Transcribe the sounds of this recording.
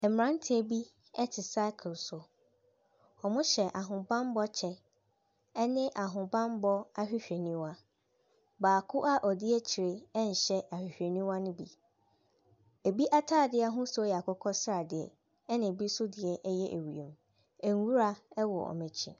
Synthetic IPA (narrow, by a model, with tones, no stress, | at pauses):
ɛ˨m˨ɾã˦n˦tʰɪ˦ɛ˨bi˦ | ɛ˦tʰɪ˨sa˦ɪ˦kʰlsʊ˨ | ɔ˨mʊ̃˦ɕɛ˨ʔa˨ɦʊ̃˨bã˦mbɔ˦t͡ɕʰɛ˦ | ɛ˦nɪ̃˦ʔa˨ɦʊ̃˨bã˦mbɔ˦a˦ɕᶣɪ˦ɕᶣe˨nĩ˦wa˦ | baː˨kʰʊ˦ʔa˦ʔɔ˨dɪ˦ɛ˦t͡ɕʰi˨ɾe˦ɛ˦n̩˨ɕɛ˦ʔa˨hᶣɪ˨ɕᶣɾe˨nĩ˦wa˦nʊ̃˦bi˨ | e˨bi˦ʔa˦tʰaː˦˨dɪ˦a˦ɦʊ̃˦sʊ˦jɛ˨a˨kʰʊ˦kʰɔ˦sɾa˨dɪ˨ɛ̰˨ | ɛ˦nɪ̃˨bi˦sʊ˦dɪ˨ɛ˦ʔɛ˦jɛ˦ʔḛ˨wu˨ḛ̃˨m | ɛ˨ŋ˦wu˦ɾa˦ɛ˦wɔ̰˨ɔ̰˨mɛ̃˨t͡ɕʰḭ̃˨